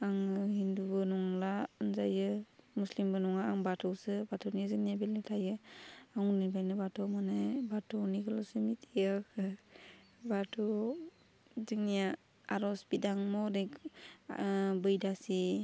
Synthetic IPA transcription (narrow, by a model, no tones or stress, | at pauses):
aŋhindubɯnɔŋlanzajɯmuslimbɯnɔŋaːŋbatʰɯwsɯbatʰɔwnijazɯŋnijabilɯtʰajɯaŋnibajnɯbatʰɔmanajbatʰɔniɡɯlɔsɯmitʰijakʰɯ | batʰɔ | zɯŋnija | aɾɔsbidaŋmɔɾek | bɯjdasi